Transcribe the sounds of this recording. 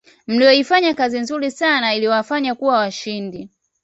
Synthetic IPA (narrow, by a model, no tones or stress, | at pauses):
m̩lijɔifaɲakazinzuɾisanailiwafaɲakuwawaʃindi